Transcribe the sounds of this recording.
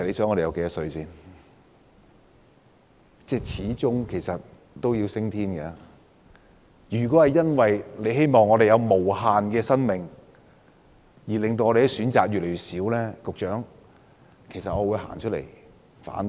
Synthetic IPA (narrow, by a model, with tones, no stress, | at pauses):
sɐ˨t̚le˨˧jsœː˨˥ŋɔ˧ɾe˨jɐ˨˧wke˨˧jɐ˥sɵ˧ɥsiː˥n | t͡sɛː˥˩t͡sʰiː˨˥t͡sʊ˥ŋkʰe˨˩jsɐ˨t̚ | t̪o˥wji˧wsɪ˥ŋt̪ʰiː˥nkɛ˧ | jyː˨˩kɔː˨˥hɐ˨jɐ˥nwɐ˨jle˨˧jɦe˥jmɔː˨ŋɔː˨˧ɾe˨jɐ˨˧wmo˨˩whaː˨˧nkɛː˧sɐ˥nmɪ˨˩ŋ | jiː˨˩lɪ˨ŋt̪o˧wɔ˧ɾe˨jsyː˨˥nt͡saː˨k̚jyː˨t̚le˨˩jy˨t̚siː˨˥wlɛː˥kʊ˨k̚t͡ʃœː˨˥ŋ | kʰe˨˩jsɐ˨t̚ɔː˧wuː˨˧jɦa̰ː˨˩nt͡ʃʰɵ˥t̚lḛ˨˩j | fa̰ː˨˥n